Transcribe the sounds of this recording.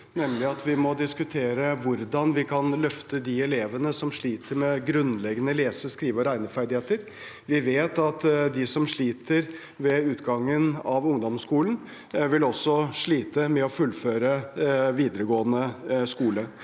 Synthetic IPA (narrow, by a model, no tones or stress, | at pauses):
nɛmlɪɑt̪ʰʋɪmɔd̪ɪskʉt̪ʰeːɾəʋʊɾd̪ɑnʋɪkʰɑnlœft̪əd̪ɪɛleːʋənəsɔmʂɭiːt̪ʰəɾmɛɡɾʉnlɛɡːənəleːsəskɾiːʋəɾæɪnəfæɾd̪ɪheːt̪əɾ | ʋɪʋeːt̪ɑt̪d̪ɪsɔmʂɭiːt̪ʰəɾ | ʋɛʉːt̪ɡɑŋːənɑʋʊŋd̪ɔmskuːlən̩ | ʋɪlɔsːɔʂɭiːt̪əmɛɔfʉlføːɾəʋiːd̪əɾəɡoːənəskuːlə